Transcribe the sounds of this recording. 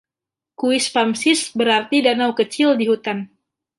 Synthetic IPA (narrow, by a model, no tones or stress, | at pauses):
kuɪspamsɪsbəɾart̪idanawkət͡ʃɪldiɦut̪an